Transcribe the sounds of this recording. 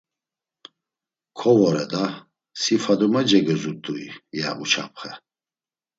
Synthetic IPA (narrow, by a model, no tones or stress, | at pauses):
kʰɔvɔɾɛd̪a | sifad̪umad͡ʒɛɡɛzud̪uijaʔut͡ʃʰa̰pχɛ